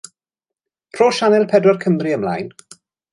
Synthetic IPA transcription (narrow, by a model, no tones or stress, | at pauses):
pʰroːʃanɛlˠpʰɛdwɛrkʰəmriəmla̰ːjn